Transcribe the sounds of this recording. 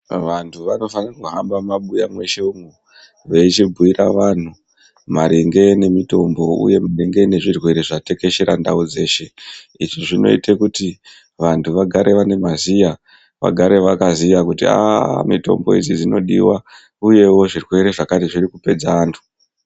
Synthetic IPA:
ʋantʰuʋano̞fanirakuɦambamaɓujamwe̞ʃe̞umu | ʋe̞it͡ʃibʱuiɾaʋan̤u | maɾeŋɡe̞ne̞mito̞mbo̞ṵje̞mareŋɡe̞ne̞ʐirwe̞ɾe̞ʐate̞ke̞ʃeɾandaud͡ze̞ːʃe̞ | iʐiʐino̞̰itʰekuti | ʋantʰuʋaɡʱaɾʔe̞ʋane̞mazija | ʋa̰ɡʱaɾe̞ʋakazijakutia̰mito̞̰mbo̞̰id͡zid͡zino̞̰ɗḭwa | uje̞wo̞ʐirwe̞ɾe̞ʐakatiʐiɾikupe̞d͡zaːntʰu̥

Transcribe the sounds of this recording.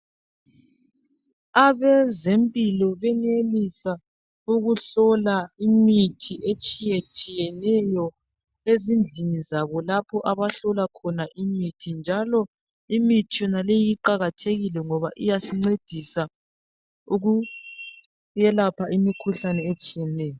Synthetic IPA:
aβɛzempʼilɔβɛnelisa | uɣuɬɔlaimitʰiʔet͡ʃʼijet͡ʃʼijɛnɛjɔ | ezind͡ɮʱinizaβɔlapʰɔʔaβaɬɔlakʰɔnaʔimitʰind͡ʒʱalɔ | imitʰijɔnalejiǃaɣatʰeɣilɛŋɔβaʔijasiŋ͡ǀed̥ʱisa | uɣu | jɛlapʰaimikʰuɬanɛet͡ʃʼijɛnɛːjɔ

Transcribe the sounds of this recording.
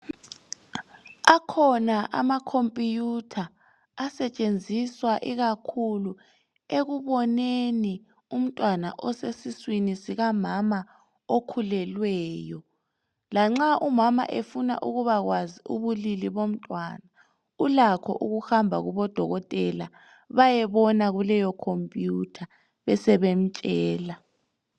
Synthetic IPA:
akʰɔnaʔa̰makʰompʼijutʰaː | sɛt͡ʃʼend͡zʱiswaʔiɣakʰulu | eɣuβɔneni | um̩tʼwana̰ʔɔsesiswinisiɣamama | okʰulɛlwɛːjɔ | laŋ͡ǁaʔumama̰ʔefuna̰ʔuɣuβaɣwaziuβuliliβom̩tʼwana | ulakʰɔ̰ʔuɣuxambʱa̰ɣuβɔd̥ʱɔɣɔtʼɛla̰ | βajɛβɔnaɣulɛjɔkʰompʼjutʰa | βɛsɛβem̩t͡ʃʼɛːla

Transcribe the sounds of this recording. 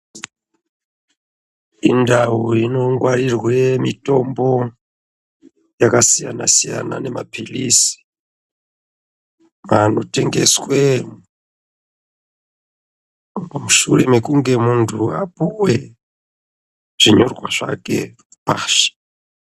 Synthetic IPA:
indawuino̞ŋɡwaɾirwemito̞mbo | jakasijana̰sija̰na̰ne̞mapʰilisi̥ | anoteŋɡeswe | muʃuremekuŋɡe̞muntʰuapuwe | ʐ̥iɲorɡwaʐ̥a̰kḛ | paːʃi̥

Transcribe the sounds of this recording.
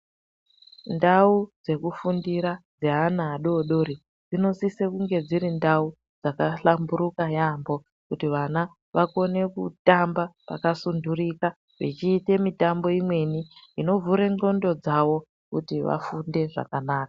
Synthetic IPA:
ndaud͡ze̞kufundiɾad͡zeɦanaːɗoːɗo̞ɾi | d͡zino̞sisekuŋɡe̞d͡ziɾindau | d͡zakaɬambuɾukajambo̞ | kutiʋana | ʋako̞ne̞kṵtambapa̰kasundurika | ʋit͡ʃiːte̞mitambo̞imwe̞niino̞vuɾe̞ŋ͡ǃo̞ndo̞d͡zaʋo̞ | kutiʋa̰funde̞ʐa̰kanaːkḁ

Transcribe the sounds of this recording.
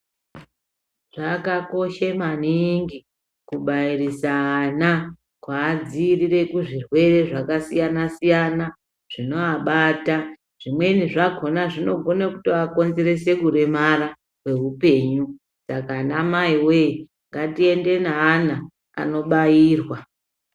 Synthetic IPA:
ʐ̥akako̞ʃemaniŋɡi | kuɓairisaːna | kwaːd͡zirire̞kuʐirwe̞re̞ʐakasijanasijana | ʐ̥ino̞aɓata | ʐ̥imwe̞niʐaɡʱo̞naʐino̞ɡʱo̞nekutiako̞nzeɾe̞se̞kuɾe̞maɾa | we̞ɦupe̞ːɲu | sakanamaiwei | ŋɡatie̞nde̞naːna | a̰no̞ɓaiːrwa

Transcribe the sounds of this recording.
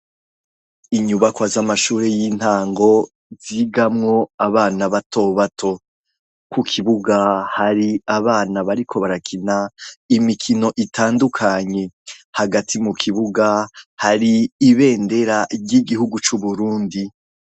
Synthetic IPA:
iɲuβakwazamaʃuːɾe̞jiːn̥haːŋɡo̞ | ziɡamŋo̞aβaːnaβatʰo̞βatʰo̞ | kukʰiβuɡahaɾiaβaːnaβaɾikʰo̞βaɾakʰinaimikʰino̞ʔitʰaːndukʰaɲe̞haɡatʰimukʰiβuɡahaɾiːβe̞ːnde̞ɾaɾɟiɡihuɡut͡ʃuβuɾuːndi

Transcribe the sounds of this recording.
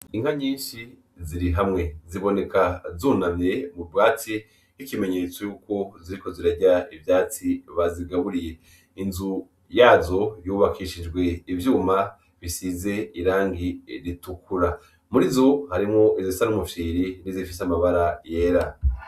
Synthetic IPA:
iŋ̥haɲiːnʃi | ziɾiɦamŋe̞ziβo̞ne̞kazuːnamɲe̞mubɡaːt͡si | ikime̞ɲe̞t͡so̞juːko̞ziɾiko̞ziɾaɟaivjaːt͡siβaziɡaβuɾije̞ | inzu | jaːzo̞juːβakʰiʃid͡ʒɡwe̞ivjuːma | βisize̞iɾaːŋɡiɾitukuɾa | muɾizo̞haɾimŋo̞izisanumuʃiːɾinizifisamaβaɾaje̞ːɾa

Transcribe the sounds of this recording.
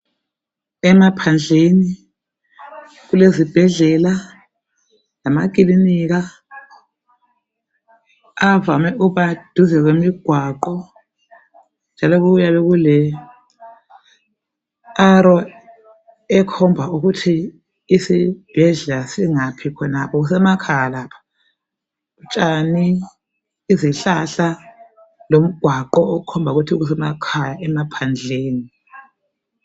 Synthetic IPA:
ɛmapʰand͡ɮʱeni | ɣulezib̥ʱɛɮɛla | lamak̬ilinik̬a | avamɛʔuβad̥ʱuzɛɣ̬wemiɡ̥ʱwaǃɔ | nd͡ʒʱalɔɣuɣujaβɛɣulɛ | aɾɔ | ɛkʰɔmbʱauɣutʰiː | sib̥ʱɛɮlasiŋapʰikʰɔnapʰɔɣusɛmakʰajalaːpʰḁ | ut͡ʃʼaniː | ziɬaɬa | lom̩ɡ̥ʱwaǃɔːukʰɔmbʱauɣutʰiɣus̬ɛmakʰajaɛmapʰand͡ɮʱeːni

